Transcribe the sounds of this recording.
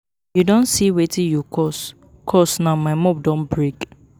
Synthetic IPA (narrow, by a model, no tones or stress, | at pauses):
judõnsiwetĩjukɔs | kʰɔsnamaɪmɔb̚dɔ̃nbɹek